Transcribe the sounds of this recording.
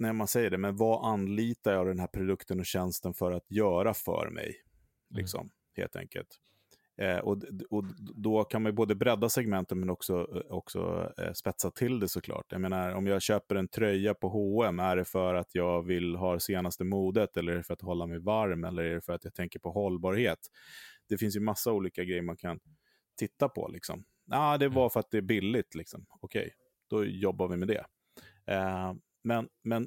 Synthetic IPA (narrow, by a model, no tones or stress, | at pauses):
nɛmansɛjːəɖɛmɛnvaʔanːliːt̪ajɑːvd̪ɛnɦæːɾpʰɾʊd̪ɵkt̪ənɔɕɛnst̪ənfœɾat̪jœːɾafœ̰ɾmʔɛ̰j | lɪ̰ksɔ̰m | hḛːlt̪ʰɛ̰ŋkə̰lt̪ | ʔɔɔd̪ɔkʰanmajboːd̪əbɾɛd̪ːasɛɡmɛnt̪ət̪mɛnɔksɔɔ̰ksɔ̰spɛt̪sat̪ʰɪld̪ɛsɔkʰlɑ̰ːʈja̰meːnaɾɔmjɑːɕøːpəɾɛnt̪ʰɾœjːapʰɔɦoːɛmæɖɛfœɾat̪ʰjɑːɡvɪlɦɑːseːnast̪əmuːd̪ət̪ɛlːəɾæɖɛfœɾat̪ɦɔlːamɛjvaɾmɛlːəɾæɖɛfœɾat̪jat̪ʰɛŋkəɾpʰɔɦɔlːbɑːɾheːt̪d̪̥ɛfɪns̬jɵmasːauːliːkaɡɾɛjːəɾmankʰan | t̪ʰɪt̪ːapʰɔ̰lɪksɔ̰m | aːd̪ɛvafœɾat̪̚d̪ɛːbɪlːɪt̪ʰlɪksɔmɔkʰɛ̰j | d̪̥ɔjɔbːaɾvɪmɛd̪ɛ̰ | mɛnmɛn